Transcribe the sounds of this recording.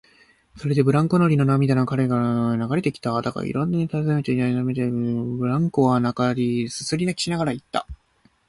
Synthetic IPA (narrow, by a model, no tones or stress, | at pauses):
so̞ɾe̞d̪e̞bɯ̟ɾãŋko̞noɾʲino̞namʲid̪anokaɾe̞ɡanaɡaɾe̞t̪e̞kʲi̥t̪ad̪aka̰ḭɾõnːaɲ̟it̪azemet̪einaamet̪ebɯ̟ɾãŋko̞βanakaɾʲisɨ̥sɨɾʲinakʲi̥ɕinaɡaɾait̪ːa̰